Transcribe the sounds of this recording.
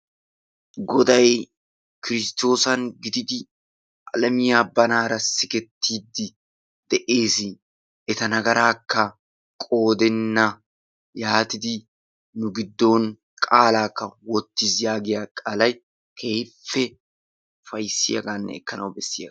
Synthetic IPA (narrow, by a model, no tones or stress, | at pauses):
ɡɔd̪ɐj | kɪɾɪst̪o̞ːsɐŋɡɪd̪ɪd̪ɪ | ʔɐlɐmɪjɐːbːɐnaːɾɐsɪkɛt̪ːiːd̪ɪ | d̪̥ɛʔeːsɪ | ʔɛt̪ɐnɐɡɐɾaːkːɐ | kʼo̞ːd̪ɛnːɐ | jaːt̪ɪd̪ɪ | nʊɡɪd̪ːo̞ːn | kkʼaːlaːkːɐwɔt̪ːisjaːɡɪjakʼaːlɐj | kʰejfːɛ | fɐjsɪ̰jɐ̰ɡanːɛ̰ɛ̰kːɐnɐwbɛsːɪjɐ